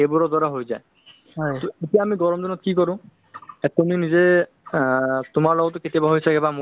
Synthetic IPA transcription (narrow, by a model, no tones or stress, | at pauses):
ebʊɹɔd̪ɔɾaɦojzaj | jt̪oetijaːmiɡɔɹɔmzɔnɔt̚kikɔɹũ | ɛt̪uminize | tʊmaɹlɔɡɔtʊketiabaɦojsakɛbam